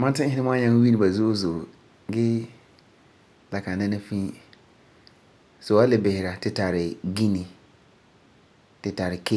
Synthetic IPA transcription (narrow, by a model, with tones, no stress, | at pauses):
mã˦n˦tɪ̃˦hɪ˦nɪ˦mɔ̃˦a˦ɲã˦ŋ˦wi˦nĩ˨ba˨zu˦o˦zo˨ | ɡɪ˦ | la˨kʰã˨n˨nã˦nɪ̃˦fĩ˦ | so˨a˦lɪ˨bɪ˨hɪ˨ɾa˨tʰɪ˨tʰa˨ɾɪ˨ɡi˦nĩ˨ | tʰɪ˨tʰa˨ɾɪ˨kʰe˦